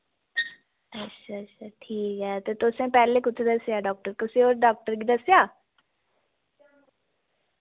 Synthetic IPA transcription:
ətːʃʰaətːʃʰaʈʰiːkɦɛːt̪et̪osẽpɛːlekʊt̪ʰed̪ɐsjaːɖɔːk̚ʈəɾkʊsioːɾɖɔːk̚ʈəɾɡid̪əsjaː

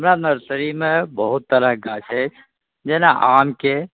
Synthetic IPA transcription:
ɦəmɾanəɾsəɾimẽbəɦut̪ːəɾəɦɡat͡ʃʰɛt͡ʃʰ | d͡ʒeːnaʔaːmke

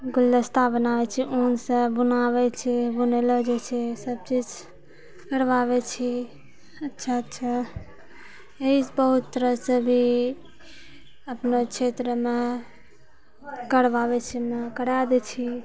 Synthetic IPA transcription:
ɡʊld̪əst̪abənabɛt͡ʃʰiʔunsẽbunaβɛt͡ʃʰɛbuneləd͡ʒet͡ʃʰɛsəb̚t͡ʃid͡ʒ | kəɾbabɛt͡ʃʰi | ətːʃʰaətːʃʰa | eisbəɦut̪ːəɾəsəbʱi | əpnekt͡ʃʰet̪ɾəme | kəɾbabɛt͡ʃʰimekəɽad̪ɛt͡ʃʰi

